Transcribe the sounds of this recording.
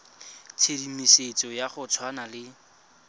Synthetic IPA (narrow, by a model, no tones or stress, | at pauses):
t͡sʰedimiset͡sʼɔjaχʊt͡sʰwanalɪ